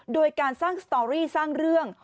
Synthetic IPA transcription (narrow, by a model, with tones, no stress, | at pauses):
doː˧jkaː˧nsaː˥˩ŋst̪ɔː˧ɾiː˥˩saː˥˩ŋɾɯ˥˩əŋ